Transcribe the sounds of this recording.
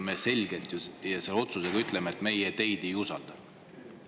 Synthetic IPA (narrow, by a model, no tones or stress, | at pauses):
mese̞lʲɡe̞lt̪jɑjɑse̞lo̞t̪suseɡ̥ɑyt̪ˑlemeet̪me̞jet̪e̞jd̪̥e̞jusɑ̰ld̪̥ɑ